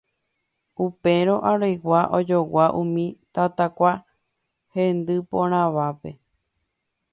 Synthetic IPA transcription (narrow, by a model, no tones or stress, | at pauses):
upe̞ɾo̞ʔaɾojwaʔod͡ʒowaʔũmĩt̪at̪akʷa | hẽnd̪ɨpõɾ̃ãʋape̞